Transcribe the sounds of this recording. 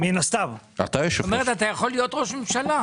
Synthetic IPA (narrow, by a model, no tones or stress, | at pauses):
minast̪av | a̰t̪ajeʃoomeʁet̪at̪ajaχo̞lːijo̞t̪ʁo̞ʃmemʃala